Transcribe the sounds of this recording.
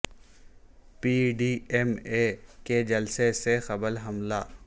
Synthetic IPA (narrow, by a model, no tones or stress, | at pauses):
piːɖiːɛmeːked͡ʒɐlsesexɐbəlɦɐmla̰ː